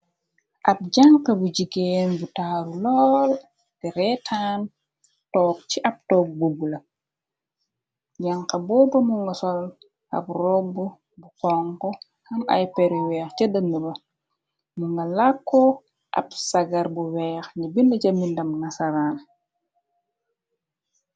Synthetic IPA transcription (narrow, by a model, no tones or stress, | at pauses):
ʔɐp̚ɟaŋkɐbuɟiɡɛːnbutaːɾulɔːl | tɛɾɛtʰaːn | tɔːk̚t͡ʃiʔɐp̚tɔːk̚bubulɐ | ɟaŋkɐbɔːbɐmuŋɡɐsɔl | ɐ̰p̚rɔbu | bukɔŋkɔ | hɐmɐ̰jpɛɾiwɛːxt͡ʃɐdəmːibɐ | muŋɡɐlakːɔ | ʔɐ̰bsɐɡɐɾbuwɛːxɲibindɐɟɐmindɐmnasɐɾaːn